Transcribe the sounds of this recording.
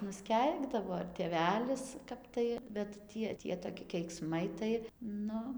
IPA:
nʊsʲˈkʲɛɪɡdɐʋoː ɪr tʲeːˈʋʲæːlʲɪs ˈkɐp tɐɪ bʲɛt ˈtʲiɛ ˈtʲiɛ toːˈkʲɪ kʲɛɪkˈsmɐɪ tɐɪ ˈnʊ

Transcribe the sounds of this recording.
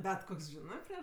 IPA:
ˈbʲɛt ˈkoːks ˈʒʲɪnɜ pʲrʲiɛʃ

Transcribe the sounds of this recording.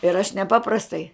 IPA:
ɪr ɐʃ nʲɛˈpɑːprɐstɐɪ

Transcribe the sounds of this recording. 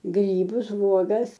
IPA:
ˈɡrʲiːbʊs ˈʋuɔɡɐs

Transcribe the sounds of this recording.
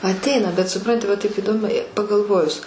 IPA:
ɐtʲˈɛɪnɐ bʲɛt sʊˈprɐnʲtʲɪ ʋɐ tɐɪp iːˈdoːm pɐɡɐlˠˈʋoːjʊs

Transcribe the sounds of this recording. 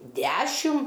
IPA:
ˈdʲæʃʲɪm

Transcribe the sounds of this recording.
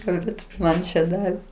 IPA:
kɐlʲˈbʲeːt ˈmɐn t͡ʃʲɛ ˈdɑːʋʲeː

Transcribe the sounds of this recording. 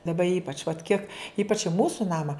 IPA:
dɐˈbɐ ˈiːpɐt͡ʃ ʋɐt ˈkʲiɛk ˈiːpɐt͡ʃ ɪ ˈmuːsʊ ˈnɑːmɐ

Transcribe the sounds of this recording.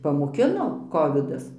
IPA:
pɐmoːˈkʲɪnoː ˈkoːʋʲɪdɐs

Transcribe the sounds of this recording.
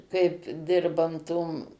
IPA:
kɐɪp ˈdʲɪrbɐn toːm

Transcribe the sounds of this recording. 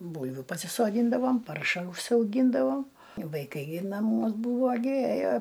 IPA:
ˈbuːlʲʋʲʊ pɐsʲɪsoːˈdʲiːndɐʋoːm ˈpɐrʃɐ ʊʃʲsʲɛʊˈɡʲiːndɐʋoː ʋɐɪˈkɐɪ ɡʲɪ nɐˈmuɔs ˈbuːʋoː ɡʲɪ ˈeːjoː

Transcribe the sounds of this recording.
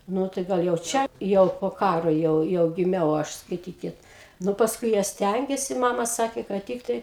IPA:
ˈnʊ tɐɪ ˈɡɐlˠ jɛʊ ˈt͡ʃʲɛ ˈjɛʊ poː ˈkɑːroː ˈjɛʊ jɛʊ ɡʲɪˈmʲɛʊ ˈɐʃ skɐɪˈtʲiːkʲɪt ˈnʊ pɐsˈkʊɪ ˈjiɛ ˈsʲtʲæŋʲɡʲeːsʲɪ ˈmɑːmɐ ˈsɑːkʲeː kɐt ˈtʲɪktɐɪ

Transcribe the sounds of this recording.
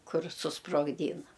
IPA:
ˈkʊr sʊsproːɡˈdʲiːnɐ

